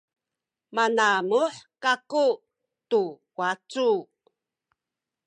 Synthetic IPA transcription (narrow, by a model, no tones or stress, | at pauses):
manamuħkaku | tu | wat͡su